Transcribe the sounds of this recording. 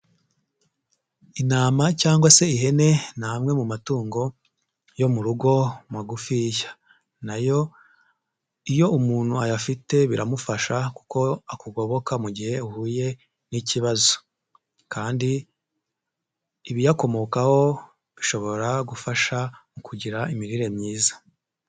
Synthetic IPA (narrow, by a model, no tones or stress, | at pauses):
inaːmacaːŋɡwase̞iɦe̞ne̞naːmŋe̞mumatuːŋɡo̞ | jo̞muɾuɡo̞mwaɡufijḁ | najo̞ | ijo̞ʔumuːn̥huajafite̞βiɾamufaʃaku̥ko̞akuɡo̞βo̞kamuɟihe̞uhuːje̞ | niciβazo | kaːndi | βijako̞mo̞kaho̞ | βiʃo̞βo̞ɾaɡufaʃamukuɟiɾaimiɾiɾe̞mɲiːzḁ